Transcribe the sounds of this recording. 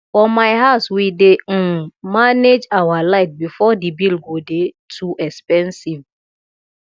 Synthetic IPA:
fɔmaɪɦaʊswidemaned͡ʒawalaɪt̚bifɔdibilɡode | tʰuʔɛkspɛ̃nsiv

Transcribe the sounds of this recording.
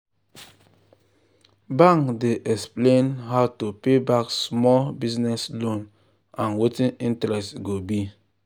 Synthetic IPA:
bãŋkdeʔɛksplẽnɦaʊtupebaksmɔlbiznɛslõn | ãnwetĩnĩntɹɛstɡobi

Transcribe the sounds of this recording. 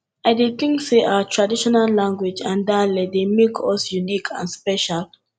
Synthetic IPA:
aɪdet̪ĩŋkseʔawatʰɹadiʃɔnallãŋɡwed͡ʒãndalɛdemekʰɔsjunikʰã̰nspɛʃal

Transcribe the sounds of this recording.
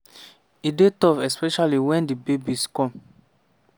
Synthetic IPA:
idetɔvɛspɛʃaliwɛ̃ndibebiskɔ̃m

